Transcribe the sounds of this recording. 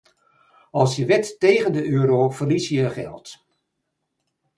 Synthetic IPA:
ɑlˠsjəʋɛtːejɣəndəøːɾoːv̥ərlisjəχɛ̰lˠt

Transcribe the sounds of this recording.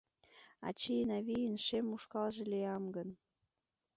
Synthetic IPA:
ɑ̰t͡ɕinɑβijənʃemuʃkɑlʒĕliɑmɡən

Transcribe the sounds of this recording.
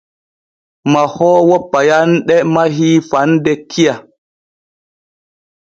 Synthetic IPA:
mahɔːwɔpːajanɗɛmaɦiːfandɛkʰːia

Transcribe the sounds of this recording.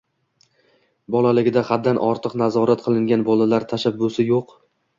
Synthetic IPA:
bɒlˠalɪɡʲɪd̪aχad̪ːanʔɒɾt̪ʰɨqnazɒɾat̪̚qʰɨlˠɪŋɡʲanbɒlalaɾt̪ʰaʃabːʊsɪjoq

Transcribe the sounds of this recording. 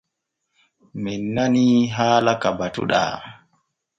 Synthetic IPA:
minːaniɦaːlakabatṵɗa̰

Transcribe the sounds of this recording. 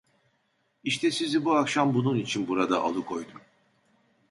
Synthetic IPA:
iʃt̪ʰɛsizibuakʃambununit͡ʃʰinbuɾad̪aʔa̰lˠɯkʰo̞jd̪um

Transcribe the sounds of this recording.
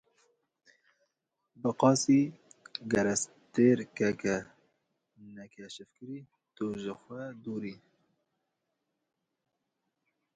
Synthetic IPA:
bɨqɑːsiːɡɛɾɛs | t̪eːɾkɛkɛ | nɛkʰɛʃɨfkɨɾiː | t̪uʒəxʷɛd̪uːɾiː

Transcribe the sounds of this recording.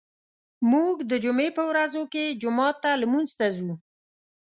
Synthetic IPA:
muɡd̪əd͡ʒʊmepəwɾazoked͡ʒʊmɑt̪ːalmunzt̪azu

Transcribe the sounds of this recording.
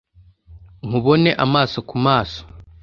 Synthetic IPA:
ŋ̥uβo̞ne̞ʔamaːso̞kumaːso̥

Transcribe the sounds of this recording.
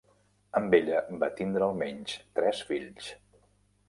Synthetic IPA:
əmbeʎəbat̪ind̪ɾəːlˠmɛɲst̪ɾɛsfiʎs

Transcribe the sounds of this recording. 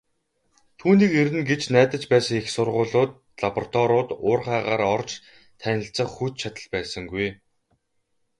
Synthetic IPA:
t̪ʰuːniːkeɾɘ̆nɡet͡ɕnæːt̪ə̆t͡ɕpæːsə̆ŋixsʊrʁʊːɮʊːt̪̚ | ɮapɔrt̪ʰɔɾʊːt̪ʊːrχæːʁaːɾɔrt͡ɕ | t̪ʰænʲɪ̆ɬt͡sə̆χxut̪t͡ɕʰat̪ə̆ɮpæːsə̆ŋɡuj

